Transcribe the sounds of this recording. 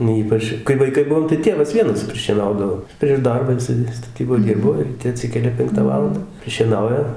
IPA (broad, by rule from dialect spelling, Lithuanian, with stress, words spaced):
nʊ ˈiːpɐt͡ʃ kɐɪ ʋɐɪˈkɐɪ ˈbʊʋoːm tɐɪ ˈtʲeːʋɐs ˈʋʲiɛnɐs pʲrʲɪʃʲiɛˈnɐʊdɐʋoː pʲrʲiɛʃ ˈdɐrbɑː jɪˈsɐɪ stɐˈtʲiːboːj ˈdʲɪrboː rʲiːˈtʲɛ ɐˈtʲsʲɪkʲɛlʲɛ ˈpʲɛŋktɑː ˈʋɑːlˠɐndɑː pʲrʲɪʃʲiɛˈnɐʊjɛ